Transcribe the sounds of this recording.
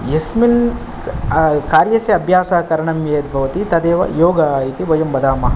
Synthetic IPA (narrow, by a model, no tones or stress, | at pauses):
jesmin | kaːɾjɐseɐbʱjaːsɐɐkɐɾɐɳɐmjɐjɐt̪̚bʱɐʋɐt̪it̪ɐd̪eːʋɐ̰joːɡɐːjit̪iʋɐjɐmbɐd̪ʱaːmɐ